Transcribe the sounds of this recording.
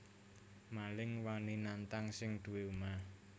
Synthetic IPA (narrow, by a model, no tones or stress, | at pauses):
malɪŋwaninant̪aŋsɪŋd̪̥ṳweuma